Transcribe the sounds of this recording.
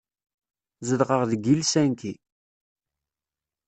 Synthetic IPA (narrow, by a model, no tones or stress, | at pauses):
zəðʁəʁðəɡilsænki